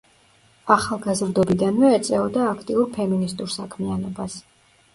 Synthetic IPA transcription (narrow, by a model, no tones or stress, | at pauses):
aχalˠɡazɾd̪ɔbid̪anmɛːt̪sʼɛɔd̪aːkʰt̪ʼiuɾpʰɛminist̪ʼuɾsakʰmianɔbas